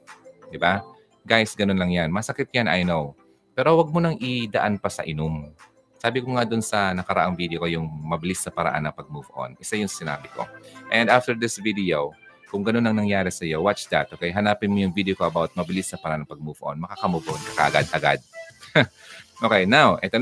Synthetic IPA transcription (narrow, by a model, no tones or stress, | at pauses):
d̪ɪba | ɡajsɡɐnonlɐŋjanmɐsɐkɪt̪janʔa̰jnow | pɛːɾo̞wɐɡ̚monɐŋʔɪd̪ɐʔanpɐsɐ̰ʔɪnʊm | saːbɪkoŋad̪ʊnsɐnɐkɐɾɐ̰ʔaŋvid̪ɛokojʊŋmɐbɪlɪsːɐpɐɾɐ̰ʔa̰nːɐŋpɐɡ̚mufoʔo̰nʔɪsajʊŋsɪna̰ːbɪko̞̰ʔɛnd̪aft̪ɛɹd̪ɪsvid̪ɪo | kʊŋɡɐnonːɐŋnɐŋjaːɾɛsɐjo̞wat͡ʃd̪ɐ̰t̪ʔokɛjɦɐnaːpɪnmojʊŋvid̪ɛjokoʔɐbawt̪̚mɐbɪlɪsɐpɐɾɐʔanɐŋpɐɡ̚muːfoʔo̰nmɐkaːkɐmufʔonkɐkɐʔɐɡad̪ʔɐɡa̰d̪̚ | ʔokɛjnawʔɛt̪o